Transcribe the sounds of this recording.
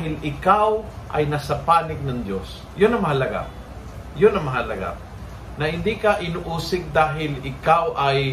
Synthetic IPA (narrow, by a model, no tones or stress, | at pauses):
hɪlɪkawʔɐ̰jnasɐpaːnɪk̚nɐŋd̪jos | jʊnːɐmɐhɐlɐɡa̰ | jʊnːɐmɐɦalɐɡa̰ | nɐhɪnd̪ikaʔɪnʊʔuːsɪk̚d̪aːɦɪlɪkawʔaj